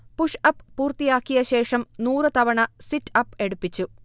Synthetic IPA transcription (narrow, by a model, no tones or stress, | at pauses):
puʂɐpːpuːrt̪ijaːkːijɐɕe̞ːʂɐmnuːrɨt̪ɐʋɐɳɐsitːɐpːe̞ɽupːit͡ɕːu